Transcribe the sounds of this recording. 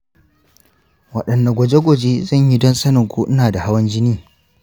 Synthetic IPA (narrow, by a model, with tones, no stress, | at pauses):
wɐ̰˨ɗɐ˨nːa˨ɡʷɔ˨d͡ʒe˦ɡʷɔ˨d͡ʒeː˦zɐ˦˨ɲji˦dɔ˦nsɐ˦nɪ˨ŋkʷuː˦ʔɪ˦naː˨da˨ha˦wɐ˦nd͡ʒɪ˦niː˦